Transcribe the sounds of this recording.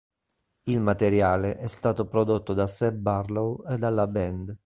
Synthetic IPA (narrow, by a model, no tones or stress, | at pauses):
ilmat̪eɾjaːleʔɛst̪aːt̪opɾod̪ot̪ːod̪asɛbarlowed̪ːalːabɛnd̪